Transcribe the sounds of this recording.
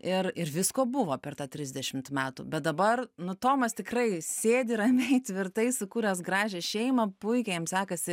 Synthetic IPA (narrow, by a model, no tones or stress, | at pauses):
ɪrɪrʋʲɪskoːbʊʋoːpʲɛrt̪ɑːt̪ʲɾʲɪzʲd̪ʲɛʃʲɪmt̪mʲæːt̪ṵːbʲɛt̪̚d̪ɐbɐrnʊt̪oːmɐst̪ʲɪkrɐɪsʲeːdʲɪɾɐmʲɛɪt̪ʲʋʲɪrt̪ɐɪsʊkuːɾʲɛs̬ɡrɑːʒʲɛːʃʲɛɪmɐpʊɪkʲɛjɛmsʲæːkɐsʲɪ